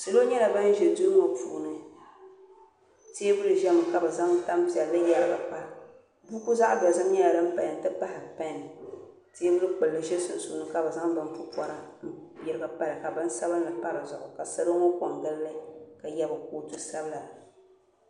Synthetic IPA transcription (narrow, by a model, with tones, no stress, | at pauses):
sɨ˨lo˦ɲɛ˦la˨ba˦ʒɛ˨du˦ŋo˨pṵː˨nɨ˦ | te˦e˦bʊ˦lɨ˨ʒɛ˦mɨ˨ka˨bɛ˨za˦ŋ˦ta˦mpɛ˨lːɨ˦jɛ˦lɨ˦ba˨k͡pa˦ | bu˦ku˦za˦ʔdɔ˨zɨ˦m˦ɲɛ˦la˨lɨ˦m̩˦pa˨ja˨n˨tɨ˦pa˦hɪ˨pa˦nɨ˨ | ti˦e˦bʊ˦lɨ˦k͡pɨ˨lːɨ˦ʒɛ˦sɨ˨n˨su˨nɨ˦ka˨bɛ˨za˦ŋba˦m˦pʊ˦pɔ˦ɾa˦jɪ˦ɾɨ˦ɡa˨pa˦ɾɨ˨ka˨bɨ˦n˦sa˦bɨ˦nː˦ɨ˨pa˦ɾɨ˨zʊ˨ʔʊ˨ka˨sa˦ɾo˦ŋo˦kɔ˨ŋɡɨ˦lːɨ˦ka˨jɛ˦bɨ˨ko˦tu˦sa˦bɨ˦la˨